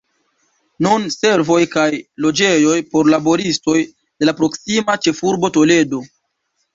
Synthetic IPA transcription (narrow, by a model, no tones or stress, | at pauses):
nunse̞ɾvo̞jkajlo̞d͡ʒe̞jo̞jpo̞ɾlabo̞ɾisto̞j | d̥e̞lapɾo̞ksimat͡ʃe̞fuɾbo̞to̞le̞do̞